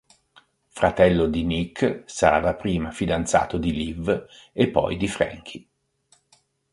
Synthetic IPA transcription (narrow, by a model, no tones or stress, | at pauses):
fɾat̪ɛlːod̪inikʰːsaɾa̰lapɾiːmafid̪ant̪sa̰ːt̪od̪ilivepːɔ̰jd̪ifɾɛ̰ŋk̟ʰi